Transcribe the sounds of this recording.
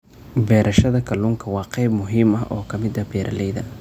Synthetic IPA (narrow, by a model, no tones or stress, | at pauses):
bɛːɾʔɐʃɐðɐkʰɐluːŋkʰɐwɑːqɑjbmʊɦiːmɐɦʔɔ̰ːkʰɐmɪd̪ɐbɛːɾʔɐlɛjðɐ̰